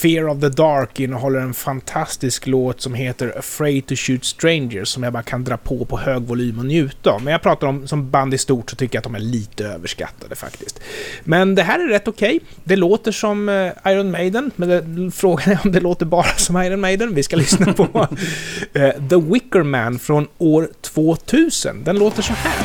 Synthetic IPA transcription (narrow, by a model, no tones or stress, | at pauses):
fɪːɾɔvðəd̪ɑːɾkɪnːəɦɔlːəɾɛnfant̪ʰast̪ɪskloːt̪sɔmɦeːt̪əɾəfɾɛɪt̪ʰʊɕʉːt̪st̪ɾɛɪnd͡ʒəsɔmjabɑːɾakʰand̪ɾɑːpʰopʰɔhøːɡvʊlyːmɔnjʉ̟ːt̪a̰mɛnjaɡpʰɾɑːt̪aɾɔmsɔmband̪æst̪uːʈsɔt̪ʰʏkːəɾat̪d̪ɔmæɭiːt̪əøːvəʂka̰t̪ʰːad̪əfa̰kt̪ɪst̪mɛnd̪ɛɦæːɾæːɛt̪ːʊkʰɛj | d̪ɛloːt̪əʂɔmaɪɾɔnmɛɪd̪ənmɛnd̪ɛfɾoːɡanæɾɔmd̪ɛloːt̪əɾbɑːɾasɔmajɾɔnmeɪd̪ənvɪskalʏsnapʰɔ | ðəwɪkːəɾmænfɾɔnoːɾt̪ʰv̥oːt̪ʰʉ̟ːsə̰nd̪ɛnloːt̪əʂɔhæ̰ː